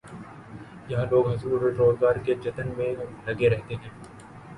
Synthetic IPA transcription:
jɐɦãloːɡɦɐzɾuːɾeʈɾoːzɡaːɾked͡ʒɐt̪ənmẽlɐɡeɾɛɦt̪eɦɛ̃ː

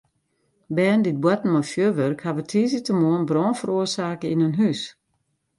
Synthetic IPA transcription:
bɛːəndɪt̚bwɔtn̩mɔfjøːʋørkhaʋətʰiːzitəmoənbrɔːnfəruərsaːkəinønɦys

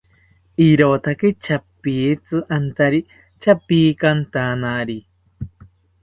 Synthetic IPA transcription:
iɾot̪aket͡ʃapiet͡sɨʔant̪aɾi | t͡ʃapiːkant̪anaɾi

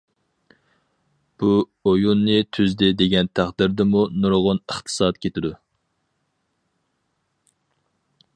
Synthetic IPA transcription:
b̥u | ojunːɨt̪ʰyzd̪ɪd̪eɡʲɛnt̪ʰæχd̪ɪɾd̪ɪmunuɾʁʊnəχt̪ʰɨ̥sɑt̪̚kʲʰet̪ɪd̪u

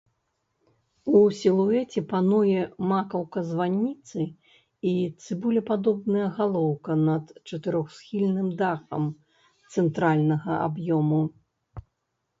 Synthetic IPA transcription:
usʲilˠuɛt͡sʲɛpanujɛmakɐwkɐzvanʲːit̪sɨ | it̪sɨbulʲɛpad̪ɔbnɐjɐɣalˠɔwkɐnɐt̪t͡ʂɐt̪ɨɾɔxsxʲilʲnɨmd̪axɐ̰m | t̪sɛnt̪ɾalʲnɐɣɐʔa̰bjɔmu

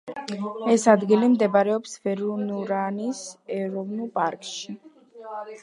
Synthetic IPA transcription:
ɛsad̪ɡilimd̪ɛbaɾɛɔpsvɛɾunuɾanisɛɾɔvnulˠpʼaɾkʼʃi

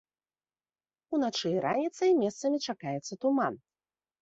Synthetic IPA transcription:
unat͡ʂɨɾʔanʲit̪sɐimʲɛst̪sɐmʲit͡ʂakajɛt̪sːɐt̪uman

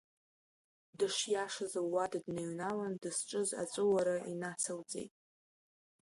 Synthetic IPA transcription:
dɨʂjaʂazaːadadnaɥnalandɨsʈ͡ʂʼɨza̰t͡ʃʷʼɨwaɾaʔinat͡sʰawd͡zḛjtʼ

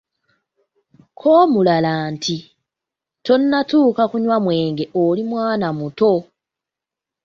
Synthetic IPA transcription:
kʰoːmulalaːntʰi | to̞nːatuːkakuɲwamwe̞ːŋɡe̞ʔolimwaːnamuto̞

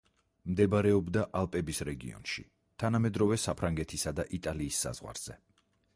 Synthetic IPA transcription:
md̪ɛbaɾɛɔbd̪aʔalˠpʼɛbisɾɛɡḭɔ̰nʃi | t̪ʰanamɛd̪ɾɔvɛsapʰɾaŋɡɛt̪ʰisad̪aʔit̪ʼaliːsːa̰z̥ʁwa̰ɾz̥ɛ

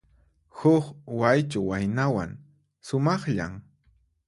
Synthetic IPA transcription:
hʊkwajt͡ʃʊwajnawa̰ŋ | sʊmɑχʎa̰m

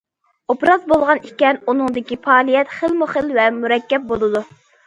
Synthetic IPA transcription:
opɾɑzbolˠʁɑnikʲɛnunɨŋd̪ɪkʲipʰɑːlˠijɛt̪χəlmʊχəlvɛmuɾɛkʲːɛp̚bolˠɨd̪u

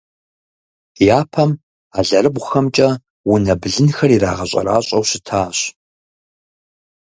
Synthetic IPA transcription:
jaːpʰɐm | aːɮɐrɨbʷʊxɐmt͡ʃʼɐ | wʊnɐbɮɨnxɐrira̰ːʁɐɕʼɐ̰ra̰ːɕʼɐwɕɪtʰaːɕ

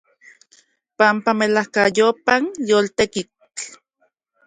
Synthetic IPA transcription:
pampamelahkajopanjoːlt̪eki | t͡ɬ

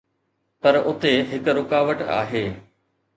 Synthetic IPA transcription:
pɐɾʊt̪eɦɪkɾʊkaːʋəʈa̰ːɦeː

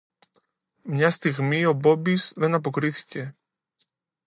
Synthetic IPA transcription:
mɲɐst̪iɣmio̞bo̞bizðe̞nɐp̬o̞kɾiθi̥ce̞

